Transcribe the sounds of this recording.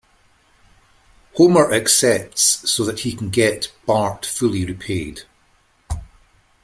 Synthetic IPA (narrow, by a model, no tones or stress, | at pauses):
homə˞ʔəksɛp̚tsːoðəʔhikʰə̃n̩ɡɛʔb̥aɹkfʉlˠiɹipʰed̥